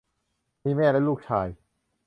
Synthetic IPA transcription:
miː˧˥˩mɛː˥˩la˦˥luː˥˩k̚t͡ɕʰaː˧j

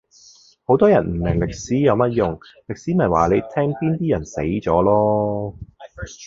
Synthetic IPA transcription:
ho˨˥wt̪ɔː˥jɐ˨˩nm̩˨˩mɪ˨˩ŋlɪ˨k̚siː˨˥jɐ˨˧wmɐ˦˥t̚jʊ˨˩ŋlɪ˨k̚siː˨˥mɐ˨˩jwaː˨˩le˨˧jt̪ʰɛː˥ŋpiː˥nt̪iː˥jɐ˨˩nse˨˥jt͡sɔː˨˥lɔː˥

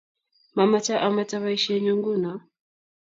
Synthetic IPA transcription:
ma˨ma˦t͡ʃa˦ʔa˦ma˦ta˦βaiʃɛ˦ɲu˦ŋɡu˦na˨

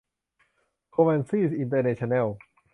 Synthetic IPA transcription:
kʰo˧mɛ˧nsi˥˩sʔi˧nt̪̬əː˧nɛ˧t͡ɕʰo˧nɛ˥˩w

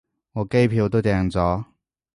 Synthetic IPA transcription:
ŋɔː˨˧ke˥jpʰiː˧wt̪o˥wt̪ɛː˧ŋt͡sɔː˨˥

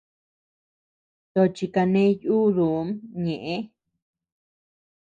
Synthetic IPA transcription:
t̪o˧t͡ʃi˧ka˧nẽ˦juː˦ðu˨˧˦mɲẽ˨ʔẽ˦

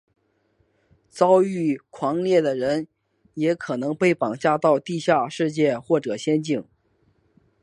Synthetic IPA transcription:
t͡sɑ˥ʊy˥˩kʰwɑ˧˥ŋljɛ˥˩d̪ə˩ɻə˧˥n | jɛ˧˥kʰɤ˨˩nɤ˧˥ŋpe˥˩ɪpɑ˨˩ŋt͡ɕja˥˧t̪ɑ˥˧ʊt̪i˥˧ɕja˥˧ʂɻ̩˥˧t͡ɕjɛ˥˧xwɔ˥˩ʈ͡ʂɤ˨˩ɕjɛ˥nt͡ɕi˥˩ŋ

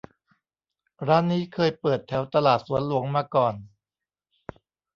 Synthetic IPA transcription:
ɾaː˦˥nːiː˦˥kʰɤː˧jpɤː˨˩t̪ʰːɛ˩˦wt̪a˧laː˨˩t̪̚su˩˦ənlu˩˦əŋmaː˧kɔː˨˩n

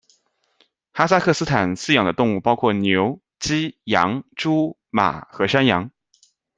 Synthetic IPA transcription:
xa˥s̬a˥kʰɤ˥˩sɹ̩˥t̪ʰa˨˩nsɹ̩˥˩jɑ˨˩ŋd̪ə˦t̪ʊ˥˧ŋu˥˩pɑ˥ʊkʰwɔ˥˩njo˧˥ʊ | t͡ɕi˥jɑ˧˥ŋʈ͡ʂu˥ | ma̰˨˩xɤ˧˥ʂa˥njɑ˧˥ŋ

